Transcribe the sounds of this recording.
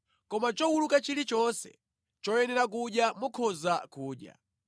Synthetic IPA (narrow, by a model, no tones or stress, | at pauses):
kɔmat͡ʃɔwulukat͡ʃilit͡ʃɔnsɛ̰ | t͡ʃɔjɛnɛɾak̬uɗjamukʰɔzakuːɗja̰